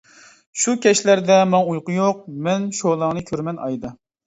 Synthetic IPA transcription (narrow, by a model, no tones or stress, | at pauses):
ʃukʲʰɛʃlæɾd̪ɛmɑŋujqʊjoq̚mɛnʃolˠɑŋnɨkʲʰøɾmɛnɑ̰jd̪ɨ